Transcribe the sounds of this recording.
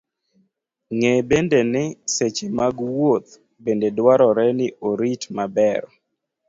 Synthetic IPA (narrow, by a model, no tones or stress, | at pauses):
ŋebendenɪset͡ʃemaɡwot̪̚ | bendedwaɾɔɾɛnɪʔoɾitmabɛɾ